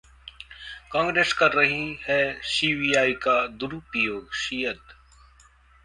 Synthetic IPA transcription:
kãːŋɡɾeːskɐɾːɐɦihɛsiːʋiːjaːikad̪ʊɾupijoːɡʃiːjəd̪

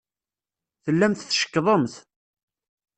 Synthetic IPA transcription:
θəlːæmθθʃə̥kːðˤəmθ

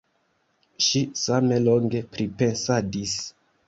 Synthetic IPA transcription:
ʃisame̞lo̞ŋɡe̞pɾipe̞nsadis

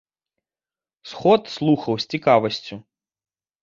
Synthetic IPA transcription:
sxɔt̪slˠuxɐwsʲt͡sʲikavɐsʲt͡sʲu

